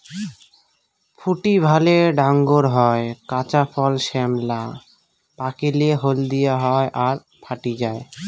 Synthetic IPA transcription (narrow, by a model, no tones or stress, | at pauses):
fʰuʈibʱaleɖaŋɡoɾɦɔekat͡ɕafʰɔlʃemla | pakilieɦold̪ijaɦɔeʔaɾ | pʰaʈid͡ʑae